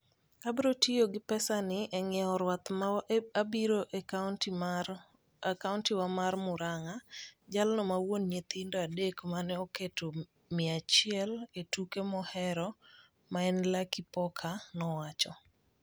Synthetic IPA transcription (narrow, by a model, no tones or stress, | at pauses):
abɾotijoɡɪpɛsanɪʔɛŋɛɔɾwat̪abiɾoʔnt | kaʊntɪwamarmʊɾaŋad͡ʒalnɔmawonɲet̪indoadekmanɛɔketʰo | mɪat͡ʃɪɛletukemɔhɛɾɔ | maɛnlakipɔkʰanɔwat͡ʃɔ